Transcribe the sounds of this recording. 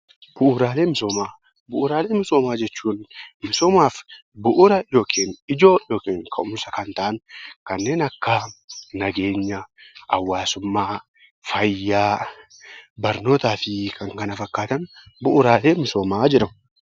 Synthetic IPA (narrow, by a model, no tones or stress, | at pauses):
b̥ʊʔʊɾaːleːmɪsoːmaː | bʊʔʊɾaːleːmɪsoːmaːd͡ʒɛt͡ʃːuːnmɪsoːmaːf | bʊʔʊɾɐjo̞ːkʰeːnɪd͡ʒo̞ːjo̞ːkeːŋkʰɐʔʊmsɐkɐnt̪aʔɐnkɐnːe̞ːnɐkːanɐɡe̞ːɲːɐʔɐ̰wːaːsʊmːaː | fɐjːaː | bɐɾno̞ːt̪aːfɪkʰɐŋkɐnɐfɐkːaːt̪ɐnbʊʔʊɾaːle̞ːmɪsoːmaːd͡ʒɪɾɐm